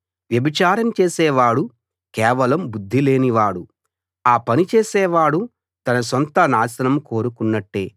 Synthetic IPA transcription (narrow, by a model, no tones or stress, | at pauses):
ʋjɐbit͡ʃaːɾɐmt͡ʃeːsɛːʋaːɽu | kɛːʋɐlɐmbud̪ʱːile̞ːniʋaːɽu | aːpɐnit͡ʃeːsɛːʋaːɽu | t̪ɐnɐs̬ont̪ɐnaːsɐnɐmko̞ːɾukunːɐʈːe̞ː